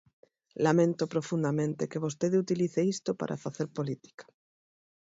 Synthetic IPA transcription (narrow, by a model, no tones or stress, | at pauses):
lamẽnt̪opɾofund̪amẽnt̪ekeβos̬t̪eðut̪iliθeist̪opa̰ɾʔa̰faθeɾpolit̪i̥kḁ